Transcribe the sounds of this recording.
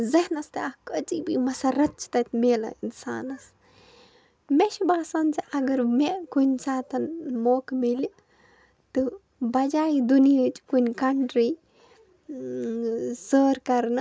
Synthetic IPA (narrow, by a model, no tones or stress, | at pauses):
zɐɦnɐst̪eɐkət͡sibimɐsɐɾɐt̪̚t͡ʃʰi̥t̪ɐt̪meːlɐ̰insa̰ːnɐs | meʃibaːsaːnt͡siɐɡɐɾmeʔkunʲsaːt̪ɐnmoːkmeli | t̪ɨ | bɐd͡ʒaːid̪unijət͡ʃkunʲkɐɳʈɾi | səːɾkɐɾnɨ